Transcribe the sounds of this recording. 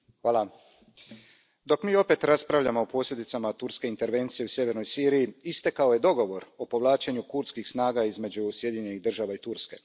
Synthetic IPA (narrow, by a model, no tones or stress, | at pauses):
xʋaːlˠa | d̪o̞kmiːo̞pe̞t̪ɾaspɾaʋʎamoopo̞ːslʎʲe̞d̪it̪samat̪uɾske̞int̪e̞ɾʋe̞nt̪sije̞usje̞ʋe̞ɾnojsiːɾijiist̪e̞kaoje̞d̪o̞ɡo̞ʋo̞ɾo̞po̞ʋlˠaːt͡ʃeɲukuɾt̪skixsnaːɡaizme̞d͡ʑusje̞d̪iɲeɲe̞niɣd̪r̩ʒaʋait̪uɾske̞̰